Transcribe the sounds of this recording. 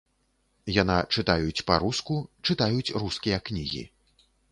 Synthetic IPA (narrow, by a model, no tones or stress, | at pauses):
janat͡ʂɨt̪ajut͡sʲpaɾuskut͡ʂɨt̪ajut͡sʲruskʲijɐknʲiɣʲḭ